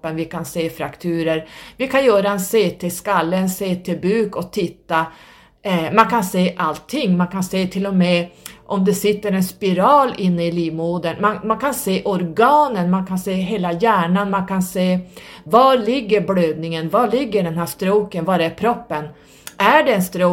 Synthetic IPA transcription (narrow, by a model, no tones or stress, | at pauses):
ənvɪkʰanseːfɾakt̪ʰʉːɾəɾvɪkʰanjœːɾaɛnseːt̪ʰeskalːəɛnseːt̪ʰeːbʉːkɔt̪ʰɪt̪ːa | mankʰanseːʔalt̪ʰːɪŋːmankʰanseːt̪ʰɪlːɔmɛʔɔmd̪ɛsɪt̪ːəɾɛnspɪɾɑːlɪnːəɪliːmoːd̪ənmanmankʰanseːʔɔɾɡɑːnənmankʰanseːɦeːlajæːɳanmankʰanseːvɑlɪɡːəɾbløːd̪nɪŋənvalɪɡːəɖɛnɦæːʂt̪ɾoːkənvaɾæɾpʰɾɔpːən | ʔæɖɛɛnst̪ɾoː